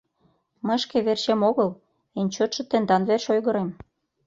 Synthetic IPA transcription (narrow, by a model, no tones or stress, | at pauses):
məjʃkeβerʃemoɣəl | enʲt͡ɕot̪ʃɤ̆t̪end̪ɑnβerʃojɣə̆ɾem